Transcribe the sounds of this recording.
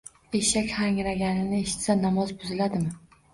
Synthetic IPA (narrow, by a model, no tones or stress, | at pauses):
e̞ʃakʲhaŋɾaɡʲanɪnɪe̞ʃɪ̥t̪sanamɒzbʊzɪlad̪ɪmɪ